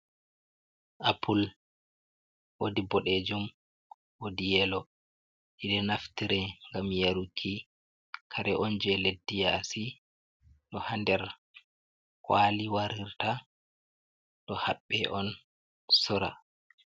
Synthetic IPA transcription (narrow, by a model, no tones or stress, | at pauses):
ʔapʰul | wodibɔɗed͡ʒum | wodijɛlɔ | ʔiɗɛnaftiɾɛŋɡamjaɾukʰːi | kʰaɾɛʔɔnd͡ʒɛledːijasi | ɗɔhandɛɾ | kwaliwaɾiɾta | ɗɔhaɓːɛʔɔn | sɔɾa̰